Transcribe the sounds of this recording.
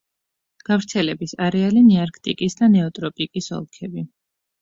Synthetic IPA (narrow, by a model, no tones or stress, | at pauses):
ɡ̥avɾt̪sʰɛlɛbisaɾɛaliniaɾkʰt̪ʼḭkʼisd̪anɛɔt̪ʼɾɔpʼikʼisɔ̰lˠkʰɛbi